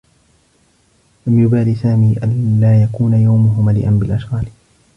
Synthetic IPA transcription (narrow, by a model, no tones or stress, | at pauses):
lamjʊbaːlisaːmiːʔanlaːjakuːnajawmʊɦʊmalɪ̰ʔanbɪlʔaʃɣaːl